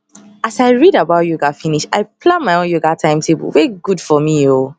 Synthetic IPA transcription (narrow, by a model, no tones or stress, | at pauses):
asaɪɹidabaʊtjoɡafiniʃaɪpʰlãnmaɪõnjoɡatʰãɪ̃mtʰebə̰lweɡudfɔmio